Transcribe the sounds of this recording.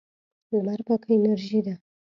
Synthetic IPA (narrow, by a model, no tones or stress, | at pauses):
lmaɾpakʰenaɾʒid̪a